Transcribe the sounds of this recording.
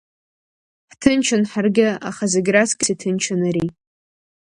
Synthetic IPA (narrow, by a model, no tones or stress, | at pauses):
ħtʰɨnt͡ʃʰanħarɡʲɪa̰χazaɡʲɾasɡʲɪsitʰɨnt͡ʃʰanaɾi